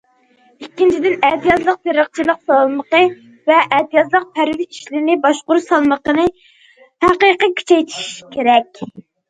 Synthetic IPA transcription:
ikʲːint͡ʃʰid̪ɪnɛht̪ijɑzlˠəq̚t̪ʰeɾəqt͡ʃʰilˠəqsɑlˠməqə | vɛʔɛt̪ijɑzlˠəq̚pʰæɾvɪi̥ʃlɪɾnɪbɑʃqʊɾsɑlˠməqənɨ | hæqəqəkʲʰy̥t͡ʃʰɛjt̪ʰi̥ʃʃkʲʰeɾɛkʲ

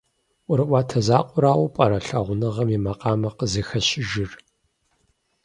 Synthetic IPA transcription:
ʔʷʊɾɨʔʷaːtʰɐzaːqʷʼʊɾaːwʊpʼɐɾɐɬɐʁʷʊnɨʁɐmimɐqʼɑːmɐqəzɨxɐɕɪʒɪr

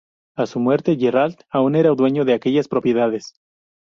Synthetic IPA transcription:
asumwe̞ɾt̪e̞ʝerald̪aune̞ɾaud̪we̞ɲo̞ðeake̞ʝaspɾo̞pje̞ðaðe̞s

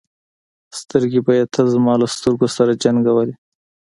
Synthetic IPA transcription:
st̪əɾɡibɑjad̪̚t̪ʰazmɑlast̪əɾɡosaɾad͡ʒaŋɡawali

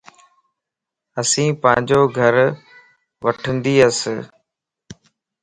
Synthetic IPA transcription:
əsĩːpə̃ɦɪ̃ɲd͡ʑoːɡʱəɾ | ʋəʈʰə̃nd̪iːəs

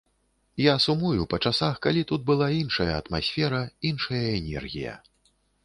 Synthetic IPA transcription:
jasumujupɐt͡ʂasaxkalʲit̪ud̪̚bɨlˠainʂɐjɐːt̪masʲfʲɛɾɐinʂɐjɐɛnʲɛ̰rɣʲḭjɐ̰

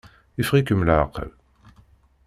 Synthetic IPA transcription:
ifʁikəmlaqə̰l

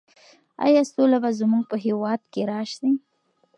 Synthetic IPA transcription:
a̰jɑsolabazmuɡ̚pəɦewɑd̪̚keɾɑʃd̪i

